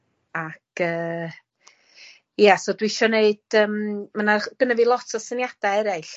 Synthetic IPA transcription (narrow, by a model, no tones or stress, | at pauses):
akʰəː | jasodwiʃɔneɨd̥əːmmanaɡ̥ənəvilˠɔtʰɔsənjad̥aɛɾaɬ